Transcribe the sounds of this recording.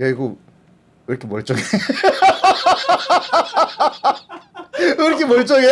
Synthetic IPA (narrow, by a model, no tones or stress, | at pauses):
eiɡo | ɯɾʌkʰemʌɭt͡ɕ͈ʌɡe | ɯɾʌkʰemwʌɭt͡ɕ͈ʌɡe